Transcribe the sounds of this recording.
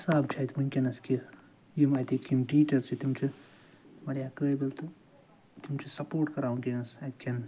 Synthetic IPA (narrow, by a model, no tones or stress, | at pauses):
saːbt͡ʃʰɐt̪munʲkʲinɐski | jimɐt̪ikʰʲimʈiːt͡ʃɐɾt͡ʃʰit̪imt͡ʃʰi | mɐɾjaːkəːbɐlt̪u | t̪imt͡ʃʰisɐpoːɾʈkɐɾaːũkʲinɐsɐt̪kʰʲɐn